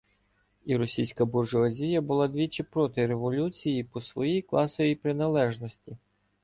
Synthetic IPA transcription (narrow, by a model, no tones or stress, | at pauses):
iɾɔsʲijsʲkɐburʒɔɐzʲijɐbʊlˠɑd̪ʲʋʲit͡ʃɪpɾɔt̪ɪɾeʋɔlʲut͡sʲijipɔsʋɔjijklˠɑsɔjʲipɾɪnɐlˠɛʒnɔsʲtʲi